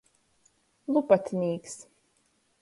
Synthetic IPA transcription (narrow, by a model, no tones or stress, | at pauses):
lˠupat̪ʲnʲiːks